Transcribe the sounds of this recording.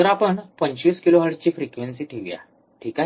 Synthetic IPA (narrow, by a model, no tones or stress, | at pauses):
əɾapəɳpəɲt͡ɕʋiːskiloɦaɽt͡ɕiːfɾikʋensiːʈʰiʋija̰ | ʈʰika